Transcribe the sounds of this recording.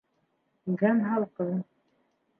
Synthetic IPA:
ɡænɦɑlˠqɤ

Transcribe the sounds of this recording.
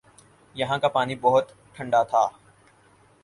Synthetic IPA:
jɐɦãkapaːnibɐɦʊt̪ | ʈʰːə̃ɳɖat̪ʰaː

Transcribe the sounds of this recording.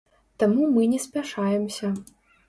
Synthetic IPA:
t̪amumɨnʲɛsʲpʲaʂajɛmsʲɐ

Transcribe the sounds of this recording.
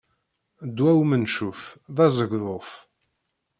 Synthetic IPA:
d̪wæwmənʃufðɑzˤəʝðˤoθ

